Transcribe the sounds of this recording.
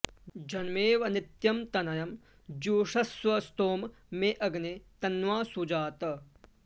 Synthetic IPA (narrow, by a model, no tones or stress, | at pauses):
d͡ʒɐnmeːʋɐnɪt̪jɐmt̪ɐnɐjɐm | d͡ʒuːʂɐsʋɐst̪oːmː | eʔɐɡnet̪ɐnʋaːsud͡ʒaːt̪ɐ